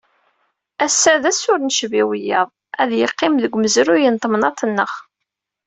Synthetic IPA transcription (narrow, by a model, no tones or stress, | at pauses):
æsːæðæsʊɾnʃəviwəjːɑ̰ðˤ | æðjəqːɪmðəɡʷməzɾʊjənt̪ˤːmnɑt̪ˤənːəχ